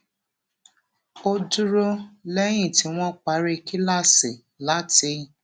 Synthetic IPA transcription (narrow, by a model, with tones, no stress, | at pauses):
o˧du˦ɾo˦lɛ˦j̃ĩ˦˨ti˨˦w̃ɔ̃˦k͡pa˨˦ɾe˧ki˦la˦˨se˨ | la˦ti˧˦˨